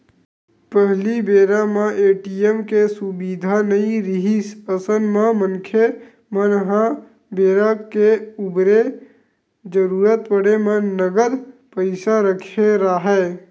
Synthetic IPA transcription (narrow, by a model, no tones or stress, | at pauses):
pəɦlibeːɾamãʔeːʈiemkesʊbiːd̪ʱanɐĩɾɪɦisəsənmãmə̃nkʰje | mənɦã | beːɾakeʊbɾe | d͡ʒəɾuːɾət̪pəɽemə̃nəɡəlpəɪsaɾəkʰeɾaːɦɛː